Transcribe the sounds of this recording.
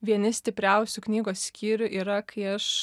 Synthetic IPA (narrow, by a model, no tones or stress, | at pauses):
ʋʲiɛnʲɪsʲt̪ʲɪpʲɾʲɛʊsʲʊknʲiːɡoːsʲkʲiːɾʲʊʔiːɾɐkɐɪɐʃ